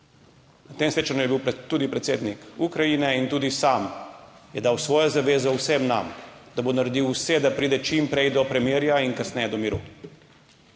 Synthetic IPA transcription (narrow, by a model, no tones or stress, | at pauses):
nat̪eːmsʋeːt͡ʃanjujɛbiwt̪uːd̪ipɾɛt̪seːd̪nikukɾajinɛint̪uːd̪isaːmjɛd̪aːwsʋɔːjɔzaʋeːzɔwsɛmna̰md̪abonaɾɛd̪iwsɛd̪apɾiːd̪ɛt͡ʃimpɾɛjd̪ɔpɾɛmjiːɾjainkasnɛjɛd̪ɔmiɾṵː